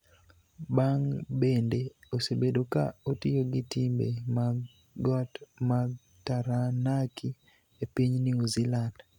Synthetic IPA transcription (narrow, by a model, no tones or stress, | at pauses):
baŋbendeosebedoka̰otɪjoɡɪtimbema | ɡɔtma | taɾanakʰi | epiɲniuziland